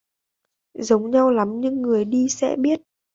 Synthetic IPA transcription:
zə˨˦wŋ͡mɲa˧wla˨˦mɲɨ˧ŋːɨ˨˩əjɗi˧sɛ̰˧˥ɓi˦˥ət̚

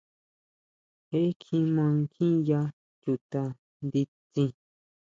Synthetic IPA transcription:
e˦kʰĩ˧mã˧ŋkʰĩ˦ja˧ | t͡ʃu˧t̪a˧ | nd̪i˧t͡sĩ˧

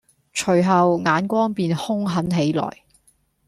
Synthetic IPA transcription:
t͡ʃʰɵ˨˩ɥɦɐ˨wŋaː˨˥nkʷɔː˥ŋpiː˨nhʊ˥ŋɦɐ˨˥nɦe˨˥jlɔ̰ː˨˩j

